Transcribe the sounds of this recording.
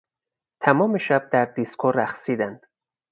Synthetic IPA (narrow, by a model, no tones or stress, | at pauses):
t̪ʰæmɒːmeʃæb̚d̪æɾd̪iskʰoɾæxsiːd̪ænd̪̥